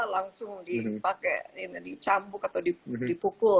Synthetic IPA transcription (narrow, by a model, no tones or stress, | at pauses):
alaŋsʊŋdipakɛindit͡ʃambʊkat̪awdidipukʊ